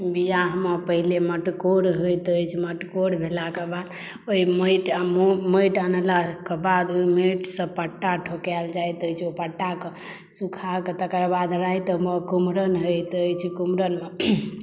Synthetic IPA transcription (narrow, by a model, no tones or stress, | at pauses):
bijaɦəməpəɦileməʈkoɽɦojt̪əjt͡ʃʰiməʈkoɽbʱelakebad̪ | oiməjʈamoməjʈanəlakebad̪oimeʈsə̃pəʈːaʈʰokɛld͡ʒajt̪əjt͡ʃʰopəʈːake | sukʰaket̪əkɾbad̪ɾajt̪əɦməkumɾənɦojt̪əjt͡ʃʰkumɾənme